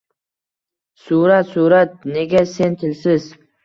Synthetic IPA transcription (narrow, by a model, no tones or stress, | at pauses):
suɾat̪suɾat̪̚ne̞ɡʲasent̪ʰɪlsɪz